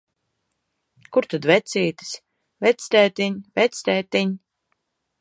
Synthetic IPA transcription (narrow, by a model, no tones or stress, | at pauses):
kuɾt̪ad̪vɛt̪siːt̪i̥sʲ | vɛt̪sʲt̪ʲɛːt̪iɲvɛt̪sʲt̪ʲɛːt̪iɲ